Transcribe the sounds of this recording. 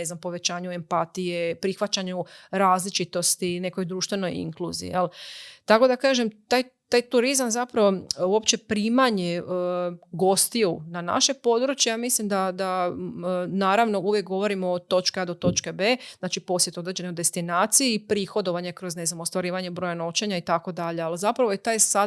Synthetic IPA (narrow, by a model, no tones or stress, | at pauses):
neznampo̞ʋe̞t͡ɕaːɲue̞mpat̪ijepɾixʋat͡ɕaɲuɾaːzlit͡ʃit̪o̞st̪ine̞ko̞jd̪ɾuːʃt̪ʋe̞no̞jḭŋklˠṵːzḭḭjelt̪ako̞d̪akaːʒemt̪aːjt̪aːjt̪uɾizamzapɾaʋouo̞pt͡ɕe̞pɾiːmaɲe | ɡo̞st̪iunana̰ʃe̞po̞d̪ɾut͡ʃjejamislimd̪ad̪a | naːɾaʋno̞uʋjek̚ɡo̞ʋo̞ɾimoːt̪o̞t͡ʃkead̪ot̪o̞t͡ʃkebeːz̥naːt͡ʃipo̞sjet̪o̞d̪ɾed͡ʑe̞nojd̪e̞st̪inaːt̪sijiːpɾiːxo̞d̪o̞ʋaɲekɾo̞zne̞znamo̞st̪ʋaɾiːʋaɲebɾo̞jano̞t͡ʃeɲait̪ako̞d̪aʎe̞alzapɾaʋojet̪aːjsa